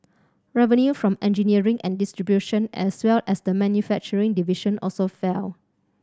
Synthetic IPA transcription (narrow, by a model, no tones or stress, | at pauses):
ɹɛvə̃njufɹɔ̃mɛ̃nd͡ʒiniəɹĩŋʔɛ̰̃ndistɹibjuʃə̃nɛ̰swɛlɛsdəmɛ̃njufɛk̚t͡ʃəɹĩŋdiviʃə̃nʔɔlsofɛl